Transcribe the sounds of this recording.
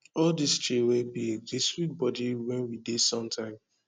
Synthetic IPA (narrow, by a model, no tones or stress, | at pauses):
ɔldist͡ʃewebied͡ʒeswit̚bɔdiwɛ̃nwidesɔ̃mtʰãɪ̃m